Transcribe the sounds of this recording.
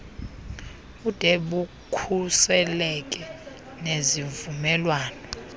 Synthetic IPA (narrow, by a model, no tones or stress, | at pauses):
ud̥ʼʱeɓu | kʰusɛlɛk̬ʼɛ | neziɱvumɛlwaːnɔ